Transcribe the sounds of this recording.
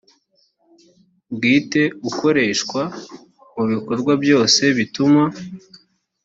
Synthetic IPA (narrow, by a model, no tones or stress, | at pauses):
bɡiːte̞uko̞ɾe̞ʃkwa | muβiko̞ɾɡwabjo̞ːse̞βituma